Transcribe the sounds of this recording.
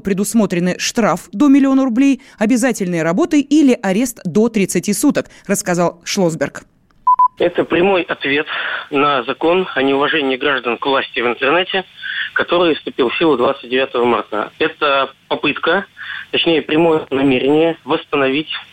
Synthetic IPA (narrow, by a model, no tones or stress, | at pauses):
pɾʲɪd̪ʊsmo̞t̪ɾʲɪnɨʂt̪ɾafd̪o̞mʲɪlʲɪo̞nəɾʊblʲej | ɐbʲɪzatʲɪlʲnɨjəɾɐbo̞t̪ɨilʲɪʔɐɾʲe̞st̪d̪o̞t̪ɾʲɪt̪sɨtʲisut̪ək | rəskɐzɑlˠʂlˠozbʲɪrk | ɛt̪əpɾʲɪmo̞jʔɐt̪vʲe̞t̪nəzɐko̞nɐnʲɪʊvɐʐɛnʲɪjəɡɾaʐd̪ənkvlˠasʲtʲɪvɨnt̪ərnɛtʲɪkɐt̪o̞ɾɨjfst̪ʊpʲilˠfsʲilˠʊd̪vat̪sɨt̚ʲdʲɪvʲat̪əvəma̰rt̪ə̰ɛt̪əpɐpɨt̪kət̪ɐt͡ɕnʲejəpɾʲɪmo̞jənɐmʲeɾʲɪnʲɪjəvəst̪ənɐvʲitʲ